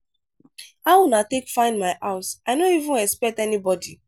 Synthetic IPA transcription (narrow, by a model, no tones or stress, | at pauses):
awunatekfãɪ̃nmaɪʔaʊsaɪnoivũnɛspɛk̚tɛnibɔdi